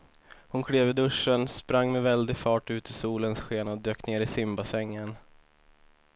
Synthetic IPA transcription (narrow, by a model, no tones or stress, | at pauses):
hʊnkʰɽeːvɪd̪ɵʂːənspɾaŋːmɛvɛld̪ɪɡfɑːʈʉ̟ːt̪ɪsuːlənsɧeːnaɔd̪øːkneːɾɪsɪmbasɛŋːən